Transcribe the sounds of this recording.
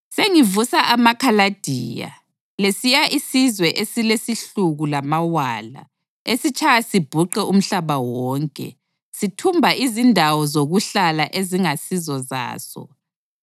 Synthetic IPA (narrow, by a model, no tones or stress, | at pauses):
seŋivusaʔamakʰalad̥ʱiːja̰ | lesijaʔisizwɛʔesilesiɬuɣulamawaːla̰ | esit͡ʃʰʼajasib̥ʱuǃɛʔum̩ɬaβawɔːŋkʼɛ̰ | sitʰumbʱaʔizindʱawɔzoɣuɬalaʔeziŋasizɔza̰ːsɔ̰